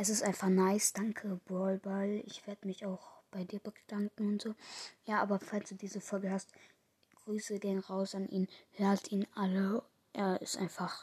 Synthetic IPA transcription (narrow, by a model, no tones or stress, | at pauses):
ʔɛsɪstʔaɪnfaχnaɪsd̥aŋkʰəbɔlbalɪ̰çv̥eːɐdəmɪçaʊxb̥aɪdiːɐbəɡd̥aŋkŋ̩ʊntz̥oːjaːʔaːbɐfalsd̥uːdiːzəfɔlɡəhast̚ | ɡ̥ʁyːsəɡeːənʁaʊsanʔḭːnhøːɐdtiːnʔalə | ʔeːɐʔɪstʔa̰ɪnfaχ